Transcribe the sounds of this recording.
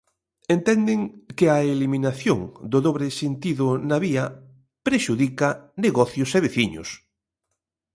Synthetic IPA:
ent̪ɛnd̪ɪŋkɪɐelimĩnaθjoŋd̪ʊðoβɾeɪsent̪iðʊnaβiɐ | pɾeʃuðikɐneɣɔθjʊseβ̞eθiɲʊ̰s

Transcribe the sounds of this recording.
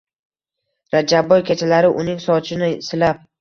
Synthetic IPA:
ɾad͡ʒabːɒjkʲʰat͡ʃʰalaɾɪʔʊnɪŋsɒt͡ʃʰɪnɪsɪlap̚

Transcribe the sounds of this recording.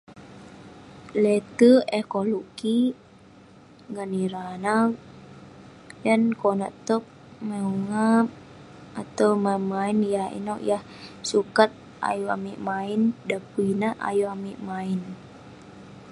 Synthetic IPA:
lɛt̪əekolɔɡ̥i | ŋaniɾana | jankona̰ʔt̪ək̚ | mauŋa | at̪awmamainjahḭnɔʔjah | sukat̪̚ | ʔa̰jua̰miʔmaindapuinaʔa̰juamiʔmain

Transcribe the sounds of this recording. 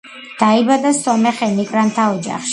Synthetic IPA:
d̪̥aibad̪asɔmɛχɛnikʼɾant̪ʰaɔd͡ʒa̰χʃi̥

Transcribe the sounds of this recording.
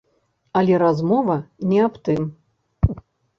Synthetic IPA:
ɐlʲɛɾazmɔvɐnʲɛapt̪ɨm

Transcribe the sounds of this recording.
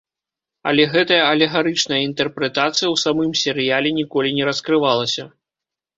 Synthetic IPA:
ɐ̰lʲɛɣɛt̪ɐjɐɐlʲɛɣaɾɨt͡ʂnɐjɐint̪ɛrpɾɛt̪at̪sɨjɐwsamɨmsʲɛɾɨjalʲɛnʲikɔlʲinʲɛɾɐskɾɨvalˠɐsʲɐ

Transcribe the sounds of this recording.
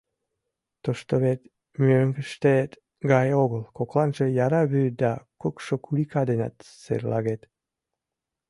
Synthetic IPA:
t̪oʃt̪oβet̪ | møŋɡəʃt̪et̪ | ɡɑjoɣəlkoklɑnʒejɑɾɑβyd̪ɑkokʃokulikɑd̪enɑ̰t̪sḛrlɑɣet̪

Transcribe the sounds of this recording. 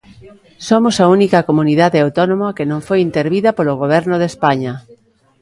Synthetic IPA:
somosaunikɐkomuniðaðeawt̪onõmakenõɱfojint̪eɾβiðapoloɣ̞oβ̞ɛɾnoð̞espaɲa

